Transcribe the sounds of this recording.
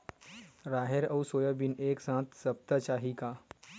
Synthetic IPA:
ɾaːɦeɾəwsoːjəbineːksãːt̪səp̚t̪ət͡ɕaɦika

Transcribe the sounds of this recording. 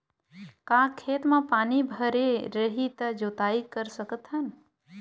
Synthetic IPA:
kaːkʰeːt̪mãpaːnibʱəɾeɾəɦit̪əd͡ʒoːt̪aːikəɾsəkət̪ɦən

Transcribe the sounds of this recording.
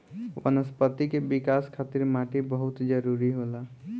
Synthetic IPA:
wə̰nəspət̪ikebikaskʰat̪iɾmaʈibəɦʊt̪d͡ʒəɾuɾiɦola

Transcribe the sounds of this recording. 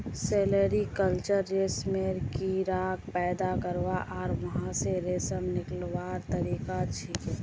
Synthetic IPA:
seːleɾikəlt͡ʃəɾːesmeɾkiɾaːkpɛːd̪akəɾʋaʔɔːɾʋɐɦãseɾeːsəmnɪklʋaːɾt̪əɾiːkat͡ʃʰik

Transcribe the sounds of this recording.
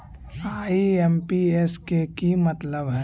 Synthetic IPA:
aːiempieskekimət̪ləbɦɛ

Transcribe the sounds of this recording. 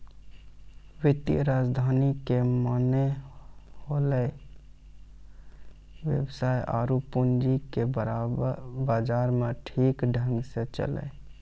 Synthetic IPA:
wɪt̪jəɾaːd͡ʒd̪ʱaːnikemane | holə | wjə̰bsaːja̰ːɾupund͡ʒikeɾ | baːd͡ʒaːɾmẽʈʰiːkɖʱə̃ŋɡset͡ʃə̰lə̰

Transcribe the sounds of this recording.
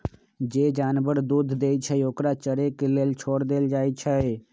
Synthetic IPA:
d͡ʒeːd͡ʒaːnbəɾd̪ud̪ʱd̪eːt͡ʃʰɛoːkɾat͡ʃəɾekeleːlt͡ʃʰoːɽd̪eːld͡ʒaːjt͡ʃʰɛe

